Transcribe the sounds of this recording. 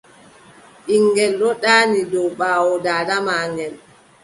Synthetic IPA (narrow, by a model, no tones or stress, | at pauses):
ʔiŋɡɛlːɔɗaːnidɔwɓaːwɔdaːdamaːŋɡɛl